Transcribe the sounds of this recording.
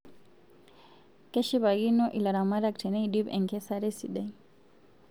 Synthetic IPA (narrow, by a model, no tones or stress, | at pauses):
kɛʃiβaɣinɔʔilaɾamaɾak̚tʰɛnɛidibɛ̰ŋkɛsaɾɛsiɗɛ